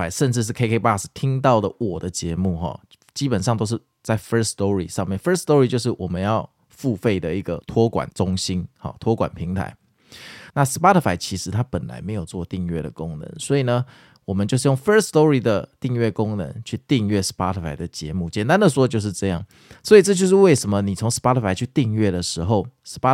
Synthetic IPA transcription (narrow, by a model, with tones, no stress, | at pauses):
a˧˥ɪʂə˥˧nʈ͡ʂɻ̩˥˧ʂ̬̩˥˩kʰe˥kʰe˥pa˥˩s̩˨˩t̪ʰi˥ŋt̪ɑ˥˩ʊd̪ə˩wɔ˨˩d̪ə˦t͡ɕjɛ˧˥mu˥˩xɔ̰˨ | t͡ɕi˦˥pə˨˩nʂ̬ɑ˥˧ŋt̪o˥ʊʂ̬ɻ̩˥˩ | t͡sa˥˩ɪfə˥st̪ɔ˦˥ɹḭ˨ʂɑ˥˧ŋmjɛ˥˩nfə˥st̪ɔ˦˥ɹi˨˩t͡ɕjo˥˧ʊʂɻ̩˥˩wɔ˨˩mə˦njɑ˥˧ʊ | fu˥˧fe˥˩ɪd̪ə˨i˥˩ɡə˩t̪ʰwɔ˥kwa̰˨˩nʈ͡ʂʊ˥ŋɕi˥nhɔ̰˨˩t̪ʰwɔ˥kwa̰˨˩npʰi˧˥ŋt̪ʰa̰˧˦ɪ | na˥˨ʂɻ̩˧˥pa˥t̪ʰə˧˩fa˧˥ɪt͡ɕʰi˧˥ʂɻ̩˧˥t̪ʰa˦˥pə˨˩nla̰˧˥ɪme˧˥ɪjo˨˩ʊt͡swɔ˥˧t̪i˥˧ŋɥɛ̰˥˩d̪ə̰˩kʊ˦˥ŋnə̰˧˦nswɔ˧˥i˨˩nə˩ | wɔ˨˩mə˨˦nt͡ɕo˥˧ʂ̬̩˥˩jo˥˩ŋfə˥˧st̪ɔ˥ɹi˨d̪ə˩t̪i˥˧ŋɥɛ˥˩kʊ˦ŋnə̰˧˥ŋt͡ɕʰy˥˧t̪i˥˧ŋɥɛ˥˩ʂ̩˧˥pa˥t̪ʰə˩fa˧˩ɪd̪ə˩t͡ɕjɛ̰˧˥mu˥˩t͡ɕjɛ˨˦nt̪a˥˦nd̪ə˨swɔ˥t͡ɕjo˥˧ʊʂɻ̩˥˧ʈ͡ʂɤ˥˧jɑ̰˥˩ŋ | swɔ˧˥i˨˩ʈ͡ʂɤ˥˧t͡ɕjo˥˧ʊʂ̬ɻ̩˥˧we˥˩ɪʂə˧˥mə˦ni˨˩t͡sʰo˧˥ŋʂ̩˧˥pa˦˥t̪ʰə˧fa˧˥ɪt͡ɕʰy˥˧t̪i˥˧ŋɥɛ˥˩d̪ə˩ʂɻ̩˧˥xo˥˩ʊʂɻ̩˧˥pa˥